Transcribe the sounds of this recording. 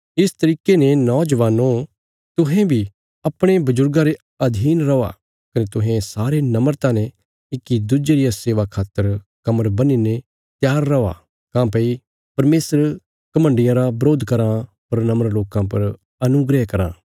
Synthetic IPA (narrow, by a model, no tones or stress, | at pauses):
ɪst̪ɐɾiːkenenɔ̃ːd͡ʒɐʋaːno | t̪ʊɦẽbʱi | ɐpɽ̃ebɐzʊɾɡãɾe | ɐd̪ʱiːnɾɐa̰ | kɐnet̪ʊɦẽsaːɾenɐməɾt̪ãːnẽ | ɪkid̪ʊd͡ʒeɾijaseːʋakʰaːt̪əɾkɐməɾbɐninẽ | t̪jaːɾːɐa̰ | kãːpɐi | pɐɾmeːsəɾ | kɐmə̃ɳɖɪjãɾabɐɾoːd̪kɐɾã | pɐɾnɐməɾloːkãpɐɾ | ɐnʊɡɾɛkɐɾã̰ː